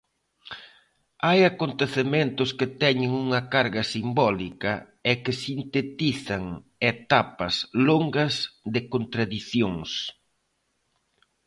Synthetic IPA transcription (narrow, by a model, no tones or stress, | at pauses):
ajakont̪eθement̪ʊskɪt̪ɛɲɪŋuŋɐkaɾɣɐsimbɔlikɐ | ɛkɪsint̪et̪iθɐŋet̪apɐsloŋɡɐsðɪkont̪ɾaðiθjoŋs